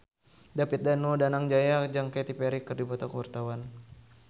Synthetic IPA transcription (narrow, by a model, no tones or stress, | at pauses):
dapit̪̚danodanaŋd͡ʒajad͡ʒaŋkat̪ipɛɾikɨrdibat̪akəwart̪awan